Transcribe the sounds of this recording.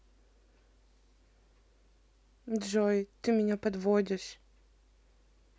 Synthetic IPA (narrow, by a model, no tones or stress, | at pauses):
d̪ʐɔjt̪ɨmʲɪnʲapɐd̪vɔdʲɪʂ